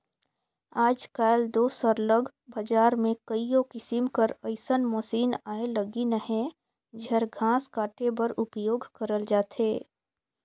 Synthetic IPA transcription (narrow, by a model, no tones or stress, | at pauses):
aːd͡ʒkaːɪld̪oːsəɾləɡ | bɐd͡ʒaːɾmẽkəijõkɪsimkəɾəɪsənmɔːsiːnaːelɐɡinəɦɛ̃ | d͡ʒɛɾɡʱãːskaːʈebɐɾʊpjoːɡʱkəɾəld͡ʒaːt̪ʰeː